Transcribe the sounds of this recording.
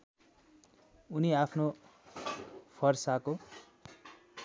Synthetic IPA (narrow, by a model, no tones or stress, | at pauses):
uniapʰno | pʰʌrsako